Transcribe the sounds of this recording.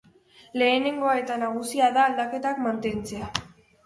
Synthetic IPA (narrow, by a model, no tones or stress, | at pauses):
le̞ːne̞ŋɡo̞ae̞t̪anaɣ̞usiaðaːld̪ake̞t̪akmant̪e̞nt͡se̞a